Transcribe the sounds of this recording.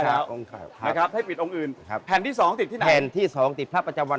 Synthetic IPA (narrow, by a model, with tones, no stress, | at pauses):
lːʔo˧kʰa˧˩na˦kʰɾa˦˥ha˥˩pi˨˩t̪̚ʔo˧ŋʔɯː˨˩nkʰa˦˥pʰɛː˧nt̪ʰiː˥˩sɔː˩˦ŋt̪i˨t̪̚ʰːiː˥˩pɛː˧nt̪ʰiː˥˩sɔː˩˦ŋt̪i˨˩t̪̚pʰɾa˦˥˩pːɾa˧t͡ɕa˧mwa˧